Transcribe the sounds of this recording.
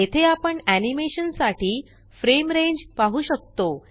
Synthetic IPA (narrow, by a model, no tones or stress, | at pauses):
et̪ʰeapəɳænimeɕənsaʈiː | fɾemɾẽɲd͡ʑpaɦuːɕək̚t̪o